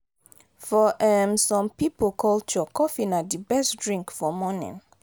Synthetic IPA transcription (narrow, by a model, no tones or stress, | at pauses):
fɔʔɛmsɔ̃mpipokʰɔlt͡ʃɔkɔfinadibɛstdɹĩŋkfɔmɔnḭ̃n